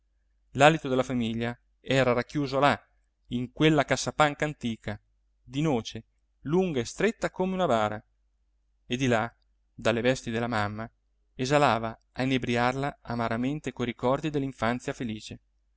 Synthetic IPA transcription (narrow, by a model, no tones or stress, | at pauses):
lalit̪od̪elafamiʎːa | ɛːɾaɾakːjuːzola | iŋkwelːakasːapaŋkaːnt̪iːka | d̪inoːt͡ʃe | luŋɡaest̪ɾet̪ːakomeunabaːɾa | ed̪ila | d̪alːevɛst̪id̪elːamamːa | ezalaːva | ainːebɾiarlaamaɾament̪ekojɾikɔrd̪id̪elːiɱfant̪sjafeliːt͡ʃe